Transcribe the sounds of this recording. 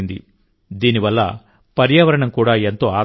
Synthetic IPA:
nd̪ḭ | d̪iːniʋɐlːɐ̰ | pɐɾjaːʋɐɾɐɳɐmkuːɽaːent̪o̞ːaː

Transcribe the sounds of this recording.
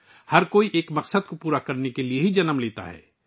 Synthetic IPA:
hɐɾkoːiʔeːkmɐqsəd̪̚kopuːɾakɐɾnekelieɦid͡ʒɐnəmleːt̪a̰ɦɛ̰ː

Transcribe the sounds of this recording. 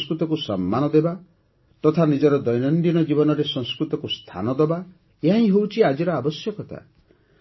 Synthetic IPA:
skɾut̪ɔkusɔmːanɔd̪eba | t̪ɔt̪ʰanid͡ʒɔɾɔd̪ɔjnɔnd̪inɔd͡ʒibɔnɔɾesɔŋskɾut̪ɔkust̪ʰa̰nɔd̪ɔba | eɦãĩɦowt͡ʃʰiad͡ʒiɾɔabɔsjɔkɔt̪a̰

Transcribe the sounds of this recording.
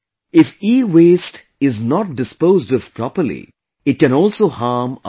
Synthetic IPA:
ɪfiːweːsʈ | ɪznɔʈ̚ɖɪspoːzɖɔvpɾɔpəɾlḭ | ɪʈ̚kɛ̃nɔːlsoːhaːɾm

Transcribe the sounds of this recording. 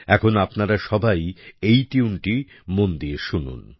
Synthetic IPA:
ɛkʰonapnaɾaʃɔbʱajejʈiunʈi | mond̪ieʃunṵn

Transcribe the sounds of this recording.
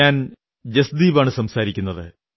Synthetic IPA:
aːn | d͡ʑɐsd̪iːbaːɳɨsɐmsaːɾikʲːunːɐðɨ

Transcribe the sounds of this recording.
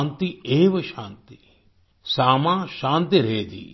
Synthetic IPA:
nt̪ieːʋɐʃaːnt̪i | saːmãːʃaːnt̪iɾeːd̪ḭː

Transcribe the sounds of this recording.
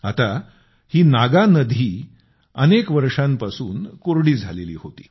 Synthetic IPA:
at̪a | hiːnaɡanəd̪ʱiː | ənekʋəɾʂãmpasuːnkoɾɽiːd͡zʱalelḭːhot̪i̥ː

